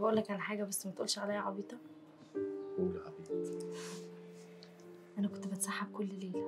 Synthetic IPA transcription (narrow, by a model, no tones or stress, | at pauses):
bæʔuːlːækʕalæħaːɡæbæsːmæt̪ʔṵːlʃʕalæjːæʕɑbiːt̪ˤɑ | ulʕɑ̰biːt̪ | ʔænækont̪bet̪sˤɑħːebkolːleːl